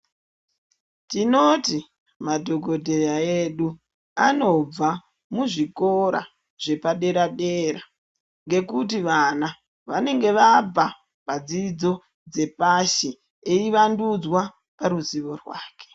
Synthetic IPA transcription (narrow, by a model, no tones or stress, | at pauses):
tino̞ti | madʱo̞ɡo̞dʱejaeɗu | ano̞b͡va | muʐiko̞ɾa̰ | ʐ̥e̞paɗe̞ɾaɗe̞ɾa | ŋɡe̞kutiʋana | ʋa̰ne̞ŋɡe̞ʋab͡va | pad͡zid͡zo̞ | d͡ze̞paʃi | eiʋandud͡zwa | paɾuziʋo̞rwaːke̥